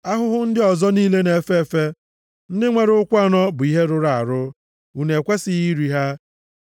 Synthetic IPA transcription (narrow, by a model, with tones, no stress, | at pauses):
a˦ɦʊ˦ɦʊ˦n̩˦dɪ˦ɔ˨zɔ˦niː˦le˦ne˨fe˦e˦fe˦ | n̩˦dɪ˦ŋʷe˨ɾʊ˦ʊ˦kʷa˦˨nɔ˦bʊ˨i˦ɦe˦ɾʊ˦ɾa˨a˨ɾʊ˦ | u˨ne˨kʷe˦sɪ˨ɣi˦ɾi˨ɦa˦